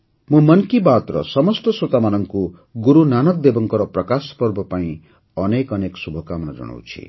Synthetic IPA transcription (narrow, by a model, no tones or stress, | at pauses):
mumʌnkibat̪ɾʌ̰sʌmʌst̪ʌsot̪amanʌŋku | ɡuɾunanʌk̚d̪ebʌŋkʌɾʌprʌkaspʌrbʱʌpaĩ | ʌnekʌneksubʱʌkamʌnad͡ʒʌ̰ɽ̃ɔ̰wt͡sʰḭ